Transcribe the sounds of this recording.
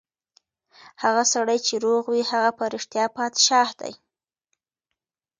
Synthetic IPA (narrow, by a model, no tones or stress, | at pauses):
haɣasaɽajt͡ʃeɾoɣwihaɣapaɾɪʂt̪jɑpɑt̪ʃɑhd̪a̰j